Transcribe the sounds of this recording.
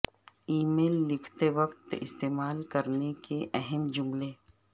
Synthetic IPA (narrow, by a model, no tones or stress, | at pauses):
iːmeːlːɪkʰt̪eʋɐqt̪ɪ̰st̪eːmaːlkɐɾnekeʔɛɦɛmd͡ʒʊmleː